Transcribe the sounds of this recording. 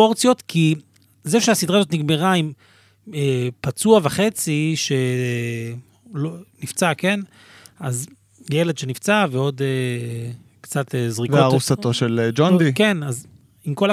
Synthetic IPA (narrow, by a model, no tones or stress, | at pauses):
oʁt͡sjo̞t̪kʰi | zeʃeasidʁazot̪niɡmeʁaim | epat͡suavaχe̞t͡siʃe̞ | lonift͡sake̞n | az | jele̞dʃenift͡saveo̞d̪e | kt͡sat̪ezʁiveaʁusat̪o̞ʃeld͡ʒond̪ikenaz | imko̞la